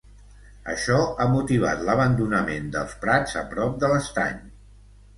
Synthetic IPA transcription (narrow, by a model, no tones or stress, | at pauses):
ə̰ʃɔamut̪iβ̞a̰t̪ləβ̞ənd̪unəmend̪ə̰lˠspɾad͡zəpɾɔp̚d̪ələst̪a̰ɲ